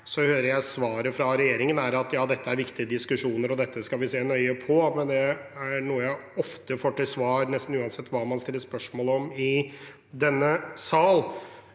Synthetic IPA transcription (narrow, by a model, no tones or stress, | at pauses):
sɔhøːɾəɾjæɪsʋɑːɾəfɾɑɾɛjeːɾɪŋənæɾɑt̪jɑːd̪ɛt̪ːəæɾʋɪkt̪ɪəd̪ɪskʉʂuːnəɾɔd̪ɛt̪ʰːəskɑʋɪseːnœʏəpʰɔmɛnd̪ɛæɳuːəjæɪɔft̪əfoːʈɪlsʋɑːɾnɛst̪n̩ʉːɑnsɛt̪ːʋɑːmɑnst̪ɪlːəspœʂmoːlɔmɪ | d̪ɛnːəsɑːl